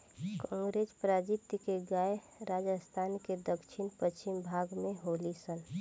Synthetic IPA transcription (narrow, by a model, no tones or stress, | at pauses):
kɔ̃ːŋɡɾeːspɾaːd͡ʒit̪jəkeɡaːe | ɾaːd͡ʒəst̪ʰaːnked̪əkʃʰɪnpət͡ʃimbʱaːɡmẽɦoːlisən